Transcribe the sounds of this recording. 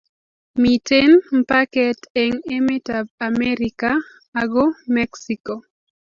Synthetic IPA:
mitenm̩pakɛteŋemetab̚amɛɾikaː | ɡomɛksiko

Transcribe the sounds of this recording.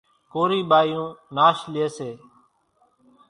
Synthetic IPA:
koːɾiːɓaːijũːnaːʃlɪeːseː

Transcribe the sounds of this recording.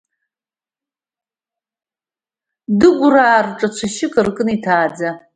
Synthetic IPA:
dɨɡʷraːrʈ͡ʂʼat͡ɕʷʰaʃɪkʼɨrkʼɨnitʰaːd͡za

